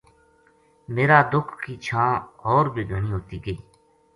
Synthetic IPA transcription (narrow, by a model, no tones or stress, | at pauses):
meːɾaːd̪ʊkʰkiːt͡ʃʰãːɦoːɾbʱiːɡʱəɳiːɦoːt̪iːɡeː